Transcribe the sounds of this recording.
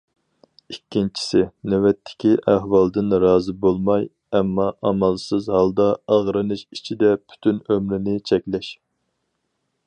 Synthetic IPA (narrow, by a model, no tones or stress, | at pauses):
ikʲʰːint͡ʃʰi̥sɪnɛwɛt̪ʰːɪ̥kʲiʔæɦwɑlˠd̪ɨnɾɑːzɨbolˠmɑj | ɛmːɑʔɑmɑlˠsɨzhɑlˠd̪ɑɑʁɾɨnɨʃit͡ʃʰid̪ɛpʰy̥t̪ʰynømɾɪnɪt͡ʃʰɛkʲlɛʃ